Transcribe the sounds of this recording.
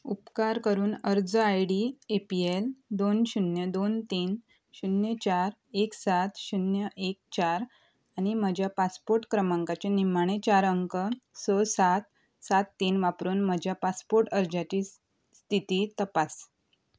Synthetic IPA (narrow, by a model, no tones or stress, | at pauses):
upkaɾkəɾuːnəɾd͡zəajɽiepield̪onɕunjəd̪ont̪iːn | ɕunjət͡ɕaɾ | eksat̪ɕunjəʔek̚t͡ɕaɾ | añim̤əd͡ʑʱjapaspoɾʈkɾəmãŋkat͡ɕenimaɽ̃et͡ɕaɾəŋkəsəsat̪ | sat̪ːiːnʋapɾuːnm̤əd͡ʑʱjapaspoɾʈəɾd͡zat͡ɕiː | st̪ʰit̪iːt̪əpas